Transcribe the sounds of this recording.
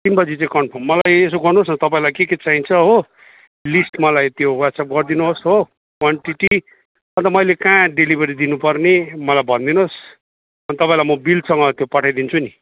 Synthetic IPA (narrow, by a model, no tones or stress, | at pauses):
t̪inbʌd͡zit͡sãĩkʌɳpʰommʌlajes̬oɡʌrnuɦosnʌt̪ʌpãĩlajkeket͡saɦĩnt͡sʰʌɦo | lisʈmʌlajt̪jowaʈsap̚ɡʌrd̪inuɦosɦo | kwaɳʈiʈi | ʌnt̪ʌmʌjlekãɖelibʱʌɾid̪inupʌrnemʌlajbʱʌnd̪inos | ʌnt̪ʌpãĩlajmʌbilsʌŋɡʌt̪jopʌʈʰajd̪int͡sʰuni